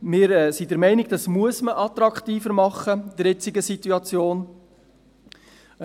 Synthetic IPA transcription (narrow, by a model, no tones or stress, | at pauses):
mɪːɾɛsidəɾmɛɪnɪɡ̚d̥̪ɑsmuəsməʔɑt̪ɾɑkχt̪iːfəɾmɑχːəd̥əɾjɛt͡siɡəsit̪uɑt͡sjoːn